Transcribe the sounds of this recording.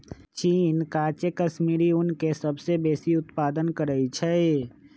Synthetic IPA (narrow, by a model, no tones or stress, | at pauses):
t͡ʃiːnkaːt͡ʃekəʃmiːɾiʊnkesəbsebeːsiʊt̪paːd̪ənkəɾəit͡ʃʰɛ